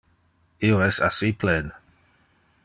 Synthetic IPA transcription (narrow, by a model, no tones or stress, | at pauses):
ioɛsa̰sipʰlɛn